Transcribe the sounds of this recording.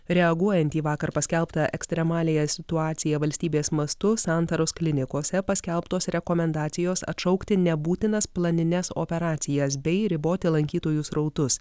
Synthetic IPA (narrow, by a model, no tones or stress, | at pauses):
ɾʲɛɐɡuɔjɛnʲt̪ʲiːʋɑːkɐɾpɐsʲkʲɛlˠpt̪ɐʔɛksʲt̪ʲɾʲɛmɑːlʲeːjɛsʲɪt̪ʊɑːt̪sʲɪjɛʋɐlʲsʲt̪ʲiːbʲeːsmɐst̪ʊsɑnt̪ɐɾosklʲɪnʲɪkoːsʲɛpɐsʲkʲɛlˠpt̪oːsɾʲɛkoːmʲɛnd̪ɑːt̪sʲɪjoːsɐ̰t̪ʃɐʊkt̪ʲɪnʲɛbuːt̪ʲɪnɐsplˠɐnʲɪnʲɛso̰pʲɛɾɑːt̪sʲɪjɛs̬bʲɛɪɾʲɪboːt̪ʲɪlˠɐŋʲkʲiːt̪oːjʊsɾɐʊt̪ʊs